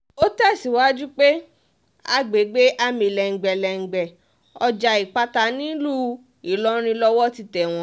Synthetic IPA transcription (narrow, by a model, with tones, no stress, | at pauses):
o˦tɛ˦˨si˨˦wa˦d͡ʒu˦k͡pe˦ | a̰˧ɡ͡be˨˦ɡ͡be˦ʔa˧mĩ˨lɛ˨ŋ̩˨ɡ͡bɛ˨lɛ˨ŋ̩˨ɡ͡bɛ˨ | ɔ˧d͡ʒa˧i˨k͡pa˧˦ta˧nĩ˦lu˦ | i˨lɔ˦ɾ̃ĩ˧lɔ˧wɔ˦ti˧tɛ˨w̃ɔ̃˧˦